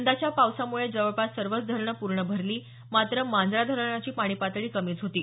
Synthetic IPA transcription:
nd̪at͡ɕjapawsamuɭed͡zəʋəɭpat̪səɾʋət͡sd̪ʱəɾɳəpuɾɳəbʱəɾliː | mat̪ɾəmand̪ɾad̪ʱəɾɳ̃at͡ɕiːpaɽ̃iːpat̪ɭiːkəmiːt͡sɦot̪iː

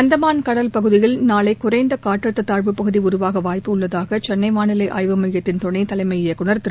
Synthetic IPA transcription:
ɐnd̪ɐmaːnkɐɽɐlpɐɣɯðɪjɪlnaːlɐɪkːʊɾɐɪnd̪ɐkaːʈːɾɐt̪ːɐt̪aːɻʋɯpɐɣɯðiʊɾʊʋaːɣɐʋaːjpɯʊɭːɐðaːɣɐt͡ʃɛnːɐɪmaːɳɪlɐɪʔa̰ːjʋɐmɐjɐt̪ːɪnt̪ɔɳɐɪt̪ɐlɐɪmɐɪjɪjɐkːʊɳɐɾt̪ɯɾ

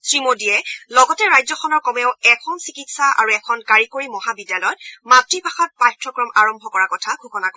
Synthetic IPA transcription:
sɹimodijɛlɔɡɔtɛɹajzɔxʰɔnɔɹkɔmɛʊɛkʰɔnsikitsaʔa̰ɹuɛkʰɔnkaɹikoɹimɔɦabidjalɔjɔt̚matɹipaxɔt̚patʰɹɔkɹɔmʔaɹɔmbʱɔkɔɹakɔtʰaɡʰʱukɔnak

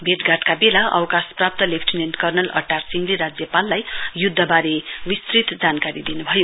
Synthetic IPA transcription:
bʱeʈɡaʈkabelaʌ̰wkasprap̚t̪ʌlepʰʈinenʈkʌrnʌlʌ̰ʈːarsiŋɡleɾad͡zjʌpalːajjud̪ʱːʌbaɾewist̪rit̪d͡zankaɾid̪inubʱʌjo

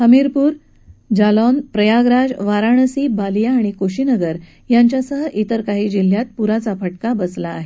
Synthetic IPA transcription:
həmiɾpuːɾ | d͡ʑalɔnpɾəjaɡɾad͡ʑʋaɾaɳ̃əsiːbaljaːɽ̃ikoɕinəɡəɾ | jaɲt͡ɕjasəɦəʔit̪əɾkaɦiːd͡ʑil̤jat̪̚puɾat͡sapʰəʈkabəslaːɦe

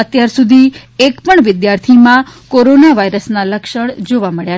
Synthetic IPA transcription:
ət̪jaɾsud̪ʱiekpəɳʋɪd̪jaɾt̪ʰimãkoɾonaʋaijɾəsnaləkʃəɽd͡ʒoʋaməɭja

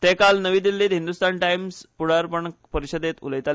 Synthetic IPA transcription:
t̪ekalnəʋiːd̪ilːiːt̪ɦind̪ust̪anʈajmspuɽ̤aɾpəɳpəɾiɕəd̪et̪ṵləjt̪a

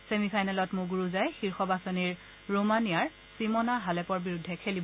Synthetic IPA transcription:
semipʰajnalɔtmʊɡuɹuzajxiɹxɔbasɔniɹ | ɹomanijaɹ | simɔnaɦalɛpɔɹbiɹudʱːɛkʰelibɔ

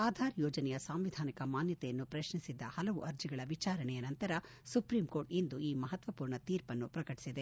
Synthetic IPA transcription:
aːd̪ʱaːɾjoːd͡ʒɐnɛjɐsaːmʋid̪ʱaːnikɐmaːnjɐt̪ɛjɐnːupɾɐʃɳisid̪ːɐhɐlɐʋuʔɐɾd͡ʒiɡɐɭɐʋit͡ʃaːɾɐɳɛjɐnɐnt̪ɐɾɐ | supɾiːmko̞ːɾʈind̪uiːmɐɦɐt̪ʋɐpuːɾɳɐt̪iːɾpɐnːupɾɐkɐʈi̥sid̪e

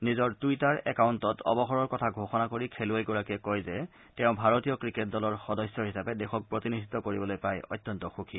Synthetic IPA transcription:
nizɔɹtujtaɹɛ̰kawntɔtɔ̰bɔxɔɹɔɹkɔtʰaɡʱoxɔnakoɹikʰelʊajɡɔɹakɛkɔjzɛ | tɛʊ̃bʱaɹotijɔkɹiket̚dɔlɔɹxɔdɔsjɔɦisapɛdɛxɔk̚pɹotinidʱitːɔkoɹibɔlojpajɔ̰jtːjɔntɔxukʰi

